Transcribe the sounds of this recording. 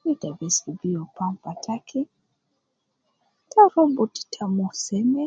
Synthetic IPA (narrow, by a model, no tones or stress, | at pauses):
widabɛsubiɔpampatakʰi | taɾɔmbuti̥tʰamusɛmɛ